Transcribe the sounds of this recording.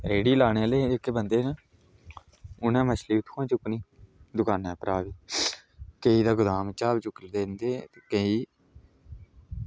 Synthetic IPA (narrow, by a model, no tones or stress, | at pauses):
ɾeːɽiːlaːneːleːekːeːbənd̪eːna | ʊnɛ̃ːməʃliːʊt̪ʰːãːt͡ʃʊkniːd̪ʊkaːnɛ̃ːpɾaːʋiː | kəiːd̪aːɡʊd̪aːmt͡ʃaːbt͡ʃʊkld̪eːnd̪eːt̪eːkəiː